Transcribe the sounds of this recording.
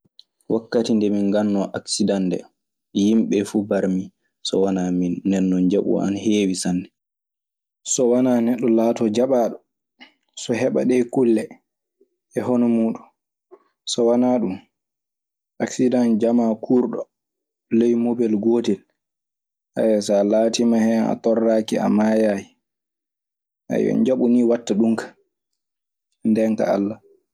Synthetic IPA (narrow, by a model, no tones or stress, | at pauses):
wakːatindɛminɡanːɔʔaksidandɛ̰ | jimɓɛfubaɾmi | sɔ̰wanaminːɛnːɔnd͡ʒaɓṵa̰nheːwisanːdɛ | sɔwanaːnɛɗːɔlaːtɔd͡ʒaɓaːɗɔ | sɔɦɛɓa̰ɗɛkulːɛ | ɛɦɔnɔmuːɗun | sɔwanaɗum | ʔaksidand͡ʒamakʰuɾɗɔ | lejmobɛlɡoːtɛl | ʔa̰jɛsalaːtimahɛna̰tɔrːaːkia̰majaːji | ʔa̰jɔ̰nd͡ʒaɓuniwatːaɗuŋkḁ | ndɛŋka̰a̰lːa